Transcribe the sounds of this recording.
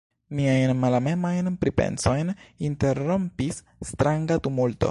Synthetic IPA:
miajnmalame̞majnpɾipe̞̰nso̞jninte̞ɾːo̞mpisː | t̪ɾaŋɡatumulto̞̰

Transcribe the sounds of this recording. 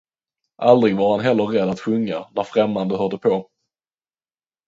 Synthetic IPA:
ʔald̪ɾɪɡvaɾhanɦɛlːəɾːɛd̪ːat̪ɧɵŋːanæɾfɾɛmːand̪əhœɖəpʰɔ

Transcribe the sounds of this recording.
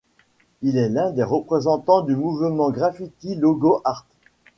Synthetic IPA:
ilɛlɛ̃d̪eʁəpχezɑ̃t̪ɑ̃d̪ymuvmɑ̃ɡʁafit̪ilɔɡoʔaʁt̪

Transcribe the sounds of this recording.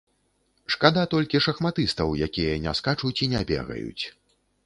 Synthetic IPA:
ʂkad̪at̪ɔlʲkʲiʂɐxmat̪ɨst̪ɐwjakʲijɐnʲɛ̰skat͡ʂut͡sʲinʲɛbʲɛ̰ɣɐ̰jṵt͡sʲ

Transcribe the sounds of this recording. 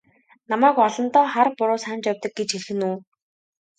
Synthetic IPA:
namæːkɔɮɞ̆nt̪ɔːχarpʊɾʊːsaːnt͡ɕjawʲt̪ə̆k̚ɡet͡ɕxeɮxɘ̆nuː

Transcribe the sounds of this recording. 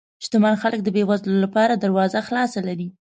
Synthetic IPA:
ʃt̪ʊmanxalək̚d̪əbewazlolapɑɾad̪aɾwɑzaxlɑsalaɾi

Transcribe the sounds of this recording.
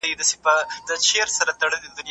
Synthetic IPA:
jid̪asepəd̪əʃeɾsaɾat̪aɽəled̪ʊnj

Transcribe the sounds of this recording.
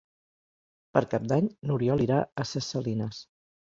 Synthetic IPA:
pəɾkap̚d̪aɲnuɾiɔliɾaəsəsəlinəs

